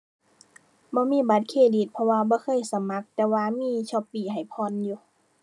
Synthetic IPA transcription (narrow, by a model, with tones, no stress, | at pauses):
bɔː˧˦˨miː˧˥˨ba˧˦t̪̚kʰeː˧˩diː˨˩t̪̚pʰɔ˧waː˧bɔː˧˦kʰɤː˧˥˨jsa˧˦ma˧˥k̚t̪ɛː˧waː˧miː˧˥˨t͡ɕʰɔː˧˨pːiː˨˩ha˨˩jpʰɔː˧˨njuː˧